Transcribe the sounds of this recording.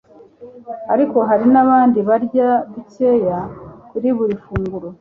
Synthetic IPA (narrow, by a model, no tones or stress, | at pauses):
aɾiko̞ɦaɾinaβaːndiβaɾɟaβice̞ːjakuɾiβuɾifuːŋɡuɾo